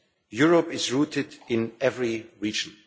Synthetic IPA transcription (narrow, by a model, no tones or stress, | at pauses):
jʊɹəpɪzɹuːtʰɪdɪ̃nɛvɹiɹiːd͡ʒə̃n